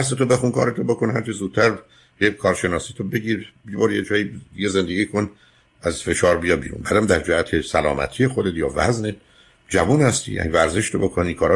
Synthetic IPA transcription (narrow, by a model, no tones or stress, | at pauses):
æɾs̬et̪ʰobe̞xunkʰɒ̰ːɾet̪ʰobo̞konɦæɾt͡ʃʰezuːd̪̚t̪ʰæɾ | ekʰɒːɾʃe̞nɒːsiːt̪ʰobe̞ɡiːɾbibɒːɾjed͡ʒɒːjijeze̞nd̪eɡʲiːkʰo̞n | æzfe̞ʃɒːɾbijɒbḭːɾṵnbæd̪æmd̪æɾd͡ʒæhæt̪ʰesælɒ̰ːmæ̰t̪ʰiːjexod̪et̪jɒ̰ːvæ̰zned̪ | d͡ʒævuːnhæst̪ḭjæ̰nivæɾze̞ʃt̪obokʰonikʰɒːɾɒ